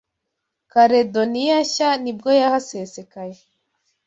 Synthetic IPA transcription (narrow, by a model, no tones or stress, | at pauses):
kaɾedonijaçanibɡojahasesekaje